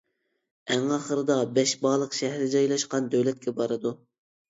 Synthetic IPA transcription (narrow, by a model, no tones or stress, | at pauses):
æŋɑχəɾɨd̪ɑbɛʃbɑːlˠəqʃɛɦɾɪd͡ʒɑjlˠɑʃqɑnd̪øwlɛt̪̚kʲɛbɑɾɨd̪u